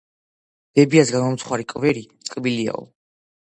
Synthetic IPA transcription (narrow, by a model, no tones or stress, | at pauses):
b̥ɛbiasɡamɔmt̪sʰχwaɾikʼvɛɾit̪sʼqʼbilia̰ɔ̰